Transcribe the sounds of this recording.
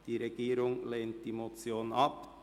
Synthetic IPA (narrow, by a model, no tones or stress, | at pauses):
d̥iːɾeɡiːɾʊŋleːnt̚d̥iːmot͡sjoːnɑp